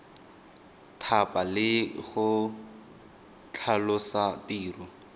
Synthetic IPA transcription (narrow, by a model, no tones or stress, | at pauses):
tʰapʼalɪχʊ | t͡ɬʰalʊsatiːrʊ